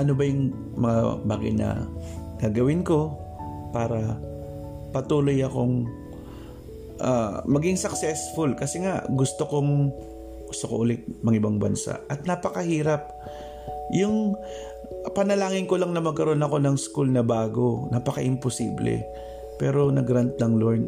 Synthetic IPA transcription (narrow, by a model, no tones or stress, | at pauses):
ʔɐnobɐjʊŋ | mɐŋa̰ba̰ːɡɐ̰jnɐ̰ɡ̥aːɡɐwɪnko̞ | paːɾɐ | pɐt̪uːlo̞jɐko̞ŋ | ʔamɐɡɪŋsɐksɛsfʊlkɐsɛŋaʔɡʊst̪oko̞ŋ | ɡʊst̪oko̰ʔʊlɪt̪̚mɐŋɪbaŋbɐ̰nsa̰ʔʔɐt̪̚napɐkɐhiːɾɐp̚ | jʊŋ | pɐnɐlaːŋɪnko̞laŋnɐmɐɡ̚kɐɾo̞nɐko̞nɐŋskulnɐbaːɡo̞naːpɐkɐʔɪmpʊsḭːblɛ̰ | pɛːɾo̞nɐɡɾant̪lɐŋloɹn